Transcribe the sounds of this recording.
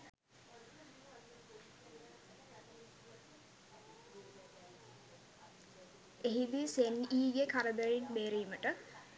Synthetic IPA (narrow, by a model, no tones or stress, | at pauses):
eɦid̪iseniːjekʰaɾəbeɾinbeːɾijiməʈə